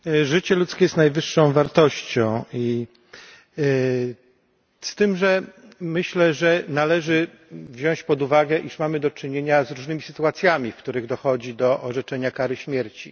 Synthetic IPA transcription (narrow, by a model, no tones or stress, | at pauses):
ʐɘt͡ɕɛlut̪skʲejɛst̪najvɘʂːɔ̃w̃vaɾt̪ɔɕt͡ɕɔ̃w̃i | st̪ɘmʐɛ | mɘɕlɛʐɛnalɛʐɘ | vʑɔ̃w̃ɕt͡ɕpɔd̪uvaɡɛʔiʂmamɘd̪ɔt͡ʂɘɲeɲazɾuʐnɘmʲisɘt̪uat̪sʲjamʲifkt̪uɾɘɣd̪ɔxɔd͡ʑid̪ɔʔɔʐɛt͡ʂɛɲakaɾɘɕmʲjɛɾt͡ɕi